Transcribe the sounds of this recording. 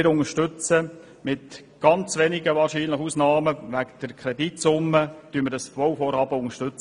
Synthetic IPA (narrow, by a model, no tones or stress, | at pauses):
ɪɾʊŋəʃtʏt͡sə | mɪt | ɡ̥ɑnt͡sʋɛnɪɡəʋɑːrʃiːnləχusnɑːməʋæɡd̪̥əɾkʰɾɛditsʊmːətyːnmɪɾdɑsfowfɔːɾhɑːbəʊŋəʃtʏt͡s